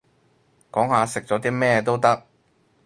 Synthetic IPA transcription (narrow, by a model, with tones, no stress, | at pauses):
kɔː˨˥ŋhaː˨˧sɪ˨k̚t͡sɔː˨˥t̪̬iː˥mɛː˥t̪̬o˥wt̪ɐ˥k̚